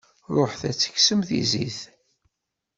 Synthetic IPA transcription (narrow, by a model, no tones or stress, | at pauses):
ɾˤoħθæt͡sːə̥çsəmθḭziθ